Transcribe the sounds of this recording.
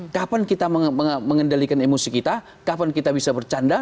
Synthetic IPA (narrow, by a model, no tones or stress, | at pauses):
kapankit̪aməəməŋəndalikanemosikit̪a | kapankit̪abisabərt͡ʃanda